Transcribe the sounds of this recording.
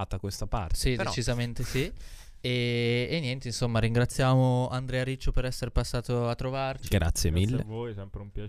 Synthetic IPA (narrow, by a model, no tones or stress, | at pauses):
t̪akwest̪apa̰ɾt̪sid̪et͡ʃizament̪esi | eːnːjɛnt̪einsomːaɾiŋɡɾat̪sːjaːmoand̪ɾɛːaɾit͡ʃːopeɾɛsːeɾepasːaːt̪oat̪ːɾovart͡ʃiɡɾa̰t̪sːjemilːevoːjsɛmpɾeumpja